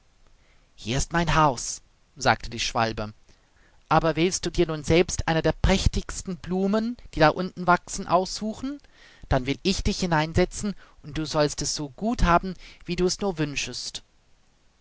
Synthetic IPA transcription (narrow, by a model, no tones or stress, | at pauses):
hiːɐɪstmaɪnɦaʊs | z̥a̰ːk̚tʰədiːʃv̥a̰lbə | ʔaːbɐvɪlstd̥uːdiːɐnuːnzɛlpstʔaɪnɐdeːɐpʁ̥ɛçtɪçstn̩bluːmənd̥iːdaʔʊntn̩vaksn̩ʔaʊsz̥uːxn̩ | d̥anvɪlɪçd̥ɪçhɪnaɪnzɛt͡sn̩ʔʊnt̚d̥uːzɔlstɛsz̥oːɡuːthaːbm̩viːduːɛsnuːɐvʏnʃəst